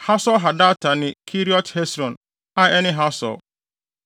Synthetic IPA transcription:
ha˦sɔ˦lɦa˨da˦tʰa˨nɪ̃˨kʰi˦ɾi˦ɔ˦thɛ˦sɾɔ̃˨n | a˨ɛ˦nɪ̃˦ɦa˦sɔ̰˨l

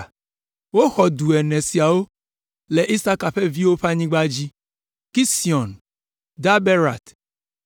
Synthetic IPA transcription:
wo˦xɔ˨d̪u˨ɛ˨nɛ̃˨si˨a˨wo˦ | le˨ʔi˦sa˦ka˨ɸe˦vi˦wo˦ɸa˦ɲĩ˦ɡ͡ba˦d͡ʑi˦ | ki˦si˨ɔ˨n | d̪a˦be˦ɾa̰˨t̪

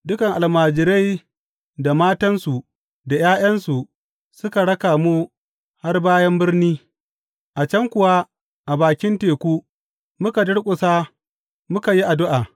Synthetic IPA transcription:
dʊ˦kɐ˨ŋʔa˨lmaː˨d͡ʒɪ˨ɾa˦j | da˨maː˦tɐ˦nsu˨ | da˨jaː˦j̰ɐ˦nsu˨ | sʊ˦ka˨ɽɐ˦kaː˨mu˦ | ha˦rbaː˦jɐ˦mbɪ˦rniː˦ | ʔa˨t͡ʃɐ˦ŋkʷʊ˨wa˦ | ʔa˨baː˨kʲɪ˦nteː˨kʷuː˦ | mʊ˦ka˨dʊ˦ɽkʷʼʊ˨saː˦ | mʊ˦ka˨ji˦ʔa˨dʊ˦ʔaː˨

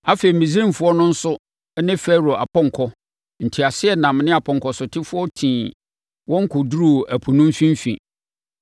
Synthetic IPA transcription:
a˦fe˨i˨mĩ˨z̬i˦ĩ˦m˨fʊ˦ɔ˦nʊ̃˦n̩˦sʊ˦ | nɪ̃˦fɛ˦ɾo˨ʔa˨pʰɔ̃˦ŋkʰɔ˦ | n̩˨tʰi˨a˨sɪ˦ɛ˨nã˨mnɪ̃˦a˨pʰɔ̃˨ŋkɔ˨sʊ˨tʰɪ˦fʊ˦ɔ˦tʰĩː˨ | wɔ̃˦ŋ˦kʰʊ˨du˦ɾu˦ʔæ˨pʰu˨nũ˦m˦fĩ˦m˦fḭ̃˨

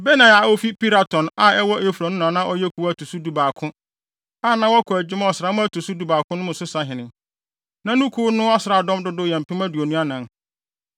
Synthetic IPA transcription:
bɛ˦nã˨a˨o˦fi˦pi˦ɾa˨tʰɔ̃˨na˦˨ɛ˦wɔ˦ʔe˦fu˨ɾa˨nʊ̃˦n˨ã˨nã˦ʔɔ˦jɛ˦kʰu˨˦wæ˦˨tʰu˨su˦du˨baː˨kʰʊ̃˦ | a˦˨nã˨˦wɔ˦kʰɔ˨æ˨d͡ʑɪ˦m˦ɔ˨sɾa˨˦mʊ̃˦æ˦tʰu˨su˦du˨baː˨kʰʊ̃˦nʊ̃˦mʊ̃˨sʊ˦sa˦ɦɪ̃˨nɪ̃˨ | nã˨nʊ̃˦kʰuː˦nʊ̃˦ɔ˦sɪ˨ɾa˨dɔ̃˦mdʊ˦dʊ˦jɛ˨m̩˨pʰɪ̃˦mã˦du˨o˨nũ˦a˦nã˨˦

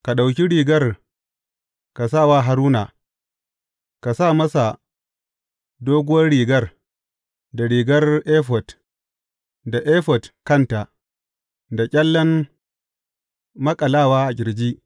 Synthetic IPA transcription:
ka˨ɗa˨wk̬ʲi˦ɽiː˨ɡɐ˦r | ka˨sa˦˨waː˦˨ɦa˨ɾuː˦na˨ | ka˨saː˦˨mɐ˦sa˨ | doː˦ɡʷʊ˦wɐ˦rɽiː˨ɡɐ˦r | da˨ɽiː˨ɡɐ˦rʔeː˦ɸ̬ɔ˨t | da˨ʔeː˦ɸɔ˨tkɐ˦˨nta˨ | da˨kʲʼɛ˦lːɐ˦m | mɐ˦kʼɐ˨laː˦˨waː˦ʔa˨ɡʲɪ˨ɾd͡ʒiː˦

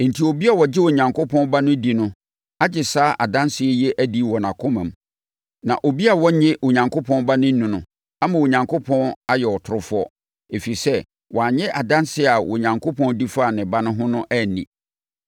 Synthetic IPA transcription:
n̩˨tʰi˨o˨bi˦a˨wɔ˨d͡ʑɪ˦wo˨ɲã˨ŋkʰʊ˦pʰɔ̃˦nba˦nʊ̃˦di˨nʊ̃˦ | a˦d͡ʑɪ˨saː˦ʔa˨dã˦nsɪ˨˦ɛ˦jɛ˦ʔæ˦di˦wɔ˨nã˨kʰʊ˦mã˨m | nã̰˨ʔo˨bi˦a˨wɔ˦ɲɛ̃˦wo˨ɲã˨ŋkʰo˦pʰɔ̃˦nba˦nɪ̃˦nũ˨nʊ̃˨ | a˦mã˨wo˨ɲã˨ŋkʰo˦pʰɔ̃˦na˦jɛ˨wɔ˨tʰʊ˨ɾʊ˦fʊ˦ɔ˦ | e˨fi˨i˨sɛ˦ | wʔɔ˨a˨ɲɛ̃˦ʔa˨dã˦nsɪ˦˨a˨wʊ˨ɲã˨ŋkʰo˦pʰɔ̃˦n˦di˦faː˦˨nɪ̃˨ba˦nʊ̃˦ɦʊ̃˦nʊ̃˦ʔæ˦˨nḭ̃˨

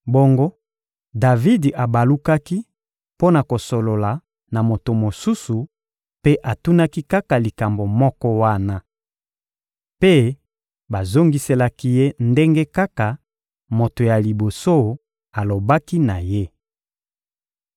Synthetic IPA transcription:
bo˦ŋɡo˦ | da˨vi˦dʔa˨ba˨lu˦ka˦ki˦ | po˦na˨ko˨so˨lo˨la˨ | na˨mo˨to˨mo˨su˦su˨ | pe˦ʔa˨tu˦na˦ki˦ka˦ka˨li˨ka˨mbo˨mɔ˦kɔ˦wa˦na˦ | pe˦ | ba˨zo˦ŋɡi˦se˦la˦ki˦je˦nde˦ŋɡe˦ka˦ka˨ | mo˨to˨ja˨li˨bo˨so˦ | a˨lo˨ba˦ki˦na˨je˦

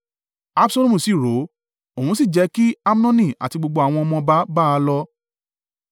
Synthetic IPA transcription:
a˦˧bsɔ˦lu˦mũ˨si˨ɾo˨˦ | o˨ũ˧˦si˦˨d͡ʒɛ˨˧˦ki˦a˦m˦nɔ̃˦nĩ˦˨a̰˨ti˧ɡ͡bo˧ɡ͡bo˧a˨w̃ɔ̃˧ɔ˧mɔ̃˧ba˨˦ba˦a˧lɔ˧

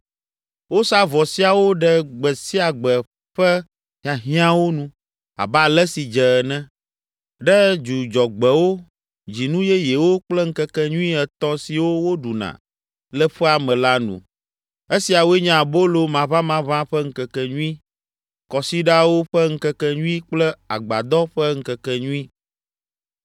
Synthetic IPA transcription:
wo˦sa˦vɔ˨si˦a˨wo˦ɖɛ˦ɡ͡bɛ˨si˦a˨ɡ͡bɛ˨ | ɸɛ˦ | ɦã˨ɦĩ˦ã˦wo˦nũ˦ | a̰˨ba˦lɛ˦si˨d͡ʒɛ˨nɛ̃˦ | ɖɛ˦d͡ʒu˨d͡ʒɔ˨ɡ͡bɛ˨wo˦ | d͡ʑi˨nũ˦jɛ˦jɛ˨wo˦k͡plɛ˦ŋ̩˦kɛ˦kɛ˦ɲũ˦ĩ˦ɛ˨t̪ɔ̃˦si˨wo˦wo˦ɖu˨nã̰˨ | lɛ˦ɸɛ˦a˨mɛ̃˨la˦nṵ̃˨ | e˦si˨a˨wo˦ɛ˦ɲɛ̃˦˨a˨bo˦lo˦mã˨βã˦mã˦βã˦ɸɛ˦ŋ̩˦kɛ˨kɛ˨ɲũ˦i˦ | kɔ˨si˦ɖa˦wo˦ɸɛ˦ŋ̩˦kɛ˦kɛ˦ɲũ˦i˦k͡plɛ˦a̰˨ɡ͡ba̰˨d̪ɔ˦ɸɛ˦ŋ̩˦kɛ˨kɛ˦ɲũ˦i˦

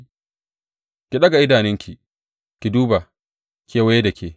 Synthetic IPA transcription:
kʲi˨ɗɐ˦ɡa˨ʔɪ˦daː˨nɪ˦ŋkʲi˨ | kʲi˨duː˦ba˨ | kʲe˦wa˦je˦dɐ˨kʰʲeː˨

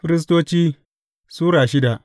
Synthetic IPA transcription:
fɪ˦ɾɪ˦s̬toː˦t͡ʃiː˦ | suː˦ɽaː˨ʃɪ˦da˨ʔ

